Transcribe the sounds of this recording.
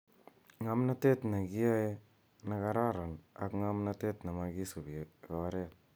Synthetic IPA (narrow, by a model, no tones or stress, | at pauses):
ŋamnatetnaɡiaj | nakaɾaɾana̰kŋamnatetnamaɡisubikaaɾet̚